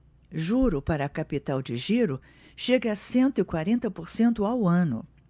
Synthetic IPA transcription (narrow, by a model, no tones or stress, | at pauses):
ʒuɾʊpaɾɐːkapit̪awd͡ʒɪʒiɾʊ | ʃeɡɐsẽnt̪ʊɪkwaɾẽnt̪ɐpoɾsẽnt̪ʊawɐ̃nʊ̰